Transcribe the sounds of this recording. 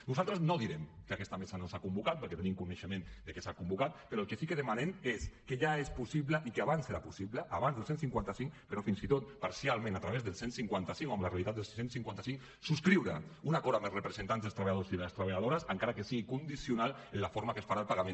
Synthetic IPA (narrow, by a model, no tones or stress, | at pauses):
nuzalˠt̪ɾəznoðiɾemkakɛst̪amesanosakumbukat̪pəɾket̪enimkuneʃəmẽnd̪əkesakumbukat̪̚peɾɔəlˠkesikəðemanemeskeʒaespusiβləʔikeaβanseɾapusiβləʔaβanzðəlˠsensiŋkwant̪asiŋkpeɾɔfinsit̪ot̪̚paɾsialˠmẽnat̪ɾaβ̞ezðəlˠsensiŋkwant̪asiŋoamlarealit̪at̪elˠsi̥sensiŋkwant̪asiŋ | suskɾiwɾaunakɔɾamelsrepɾezent̪anzðelˠst̪ɾaβaʎaðosiðelast̪ɾaβeʎaðoɾasaŋkaɾakesiɣikund̪isiunalenlafoɾmakesfaɾalpaɣamẽn